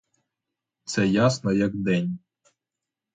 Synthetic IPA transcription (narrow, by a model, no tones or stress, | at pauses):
t̪sɛjasnɔjɐɡd̪ɛnʲ